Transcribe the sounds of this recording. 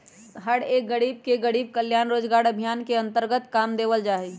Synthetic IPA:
ɦəɽeːk̚ɡəɽiːb̚keɡəɽiːb̚kəljaːnɾoːd͡ʒɡaːɾəbʱijaːnkeɐ̃nt̪əɾɡət̪kaːmd̪eːʋəld͡ʒaːiː

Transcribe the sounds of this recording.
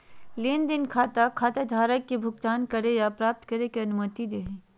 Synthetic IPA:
leːnd̪ɪnkʰaːt̪akʰaːt̪ad̪ʱaːɾəkːebʱʊɡt̪aːnkɐɾejapɾaːp̚t̪kɐɾekeɐnʊmət̪id̪eːɦe

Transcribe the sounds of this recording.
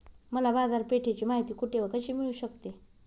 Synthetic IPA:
məlabad͡zaɾpeʈʰet͡ɕiːmaɦit̪iːkuʈeʋəkəɕiːmiɭuːɕəkt̪e

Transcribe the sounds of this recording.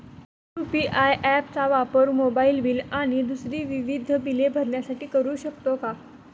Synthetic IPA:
upiʔajʔæpt͡saʋapəɾmobailʋilaɽ̃id̪usɾiːʋiʋid̪ʱbilebʱəɾɳjasaʈiːkəɾuːɕəkt̪oka

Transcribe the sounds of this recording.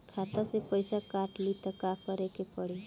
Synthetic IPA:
kʰat̪əsepəjsakaʈlit̪əkapəɾekepəɽe

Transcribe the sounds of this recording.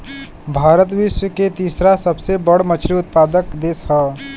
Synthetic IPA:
bʱaːɾət̪̬ʋɪʃwəket̪iːsɾasəbsebəɽmət͡ʃʰɾiʊt̪̚paːd̪əkd̪eːsɦɛː

